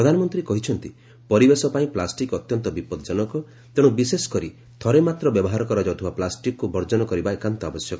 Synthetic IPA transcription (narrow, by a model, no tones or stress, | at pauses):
pɾɔd̪ʱanɔmɔnt̪ɾikɔɦit͡ʃʰɔnt̪i | pɔɾibesɔpaĩplasʈikɔt̪jɔnt̪ɔbipɔd̪ɔd͡ʒɔnɔkɔ | t̪ẽubisesɔ̥kɔɾi | t̪ʰɔɾemat̪ɾɔbjɔbɔɦaɾɔkɔɾɔd͡ʒɔwt̪ʰibaplasʈikkːubʱɔɾd͡ʒɔnɔkɔɾibaekant̪ɔabɔsjɔkɔ